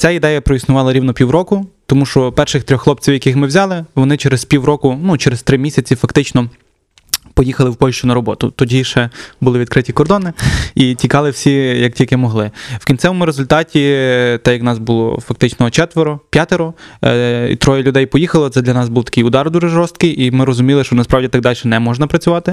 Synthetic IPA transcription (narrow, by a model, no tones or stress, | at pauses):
t͡sʲaid̪ɛjɐpɾɔisnʊʋɑlˠɐɾʲiwnɔpʲiwɾɔkʊt̪ɔmuʃt͡ʃɔpɛrʃɪxt̪ɾʲɔxlˠɔpt͡sʲiwjɐkɪxmɪwzʲɑlˠɪʋɔnɪt͡ʃeɾespʲiwɾɔkʊnut͡ʃeɾest̪ɾɪmʲisʲɐt͡sʲifɐkt̪ɪt͡ʃnɔ | pɔjixɐlˠɪwpɔlʲʃt͡ʃʊnɐɾɔbɔt̪ʊ̰t̪ɔdʲiʃɛbʊlɪʋʲid̪̚kɾɪtʲikɔrd̪ɔnɪitʲikɑlˠɪwsʲijɐk̚tʲilʲkɪmɔɦlˠɪwkʲintsɛmmɪɾezʊlʲt̪ɑtʲit̪ɛjɐknɑsbʊlˠɔ̰fɐk̚t̪ɪt͡ʃnɔt͡ʃɛt̪ʋeɾɔpʲjat̪eɾɔ | ḭt̪ɾɔjɐlʲʊd̪ɛjpɔjixɐlˠɔt̪sɛd̪lʲɐnɑsbuwt̪ɐ̥kɪjʊd̪ɑrd̪uʒɛʒɔst̪̚kɪjʔimɪɾɔzʊmʲilˠɪʃt͡ʃɔnɐspɾɑwdʲit̪ɑɡ̚d̪ɑlʲʃɛnɛmɔʒnɐpɾɐt͡sʲʊʋɑt̪ɪ